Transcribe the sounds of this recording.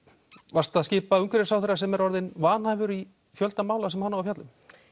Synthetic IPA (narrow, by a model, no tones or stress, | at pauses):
varst̪aðscɪːpaʏŋkvɪɾɪsawθɛrasɛmɛɾɔɾðɪnvaːnhajvʏɾi | fjœlt̪amaːwlasɛmhanːavafjat̪lʏm